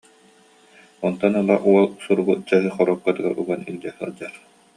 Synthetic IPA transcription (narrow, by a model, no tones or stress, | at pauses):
ɔnt̪ɔnalˠaʔuɔlˠsuɾbut͡ɕɛɦɯχɔɾɔkːat̪ɯɡaɾṵɡaniŋdɛsɯ̰ld͡ʑaχ